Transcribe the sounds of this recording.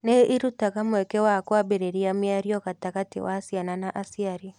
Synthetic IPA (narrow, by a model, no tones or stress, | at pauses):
neʔiɾutaɣamwɛkɛwakwabeɾeɾiamjaɾiɔɣataɣatḭwasiananaʔasiaɾi